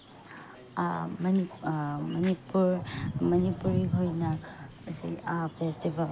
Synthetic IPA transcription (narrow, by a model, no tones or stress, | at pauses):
mɐnimɐnipuɾmɐnipuɾiɦojnɐ | sḭpʰestibɐl